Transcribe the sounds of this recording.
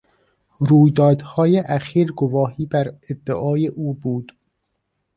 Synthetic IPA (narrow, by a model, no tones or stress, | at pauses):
ɾuːjd̪ɒːd̪hɒːjeʔæxiːɾɡovɒːhiːbæɾed̪ːeʔɒːjeʔuːbuːd̪̥